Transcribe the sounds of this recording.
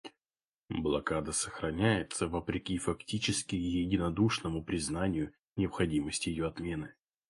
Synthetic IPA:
blˠɐkad̪əsəxɾɐnʲæjɪt̪səvəpɾʲɪkʲifɐktʲit͡ɕɪskʲɪjɪdʲɪnɐd̪uʂnəmʊpɾʲɪznanʲɪjʊ | nʲɪɐpxɐdʲiməsʲtʲɪjɪjoɐt̪mʲe̞nɨ

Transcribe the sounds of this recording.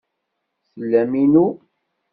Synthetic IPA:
səlːæminu

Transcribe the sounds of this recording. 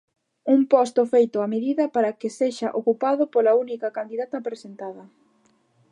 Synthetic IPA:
umpɔst̪ʊfejt̪ʊameðiðɐpaɾɐkeseʃaʔokupaðʊpolɐunikɐkand̪iðat̪ɐpɾesent̪aðɐ

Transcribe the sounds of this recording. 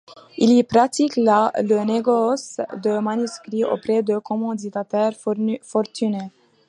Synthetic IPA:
ilipɾat̪iklaləneɡɔsd̪əmanyskɾiʔo̰pɾɛd̪əkʰɔmɑ̃d̪it̪at̪ɛɾfɔɾt̪yne

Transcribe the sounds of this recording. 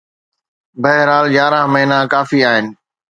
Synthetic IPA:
bɐɦɪɾaːld͡ʑjaːɾãːməɦɪnakaːfiaːɦɪnɪ̆

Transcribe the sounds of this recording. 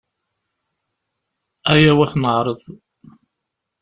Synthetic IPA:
æjæwæθnəʕɾˤəðˤ

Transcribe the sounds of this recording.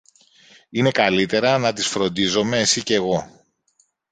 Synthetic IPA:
ine̞kɐlit̪e̞ɾɐnɐt̪isfɾo̞nd̪izo̞me̞ːsice̞ɣo̞

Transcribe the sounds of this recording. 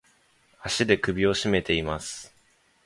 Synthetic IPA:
aɕid̪e̞kɯ̟bʲio̞ɕime̞t̪e̞imasɨ̥

